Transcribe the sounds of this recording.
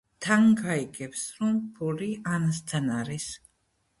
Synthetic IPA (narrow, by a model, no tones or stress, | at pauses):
t̪ʰaŋɡaiɡʼɛpsɾumpʰuɾianast̪ʰanaɾis